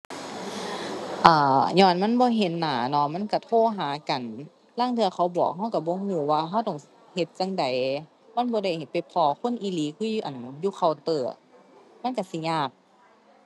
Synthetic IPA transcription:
ʔaː˧˩ɲɔː˧˩˨nma˧˥˨nbɔː˧˦ɦe˨˦nːaː˨˩˦nɔ˧˥ma˧˥˨nka˧˩t̪ʰoː˧˥˨ɦaː˨˦ka˨˩n | laː˧˥˨ŋt̪ʰɯ˧ɐ˧kxʰa˧˩wbɔː˨˩k̚ɦa˧˥˨wka˧˩bɔː˧˦ŋuː˧˦waː˧ɦa˧˨wt̪ɔ˧˩ŋ | he˧˦t̪̚t͡ɕa˧˨ŋda˨˩˦j | ma˧˥˨nbɔː˧˦ɾa˧˩jhe˨˦t̪̚pa˨jpʰɔː˧˦kʰo˧˥˨nʔiː˧˦liː˨˦kʰuː˧˥˨juː˧ʔa˨˩njuː˧˨kʰa˨˧˩wt̪ɤː˨˩ | ma˧˥˨nka˧˩si˧˦ɲaː˧˩k̚

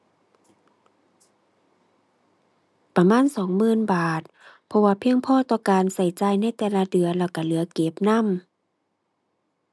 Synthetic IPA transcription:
pa˧maː˧˥˨nsɔː˨˦ŋmɯː˧˥˨nbaː˨˩t̪̚pʰɔ˧waː˧pʰi˧əŋpʰɔː˧˥˨t̪ɔː˧˩kaː˨nsa˨˩jt͡ɕaː˧jna˧˥˨jt̪ɛː˧la˧dɯ˨˩˦ɐlɛː˧˩wka˧˩lɯ˨˦ɐke˨˦p̚na˧˥˨m

